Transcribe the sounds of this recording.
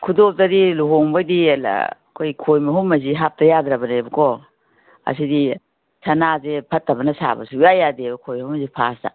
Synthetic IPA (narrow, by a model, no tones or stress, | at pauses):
kʰudop̚tadiluɦoŋbadila̰ | kʰojkʰojmɐɦumɐziɦap̚tɐjadɾabɐnebɐkɔ | ɐ̰sidi | sʰɐnazepʰɐtːɐbɐnɐsa̰bɐ̰sujajadebɐkʰojmhumzipʰasta̰